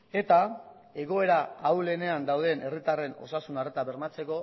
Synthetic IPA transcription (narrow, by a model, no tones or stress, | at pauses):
e̞t̪a | e̞ɣ̞o̞e̞ɾaːwle̞ne̞and̪awðe̞nʔe̞rit̪are̞no̞̰sasunaret̪aβe̞ɾmat͡se̞ko̞